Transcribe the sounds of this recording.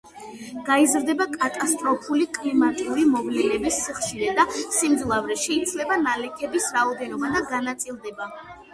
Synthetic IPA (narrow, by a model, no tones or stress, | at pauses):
ɡ̥aizɾd̪ɛbakʼat̪ʼast̪ʼɾɔpʰulikʼlimat̪ʼiuɾimɔvlɛnɛbisːiχʃiɾɛd̪asimd̪zlˠavɾɛʃɛit̪sʰlɛbanalɛkʰɛbisɾaɔd̪ɛnɔbad̪aɡanat̪sʼilˠd̪ɛba